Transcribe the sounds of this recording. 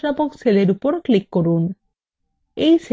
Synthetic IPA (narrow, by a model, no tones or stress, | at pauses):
napokseleɾupoɾklikːoɾun | ejs